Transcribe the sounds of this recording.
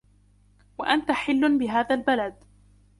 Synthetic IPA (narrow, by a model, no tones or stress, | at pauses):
waʔant̪aħɪlːʊnbɪɦaːðalbalad̪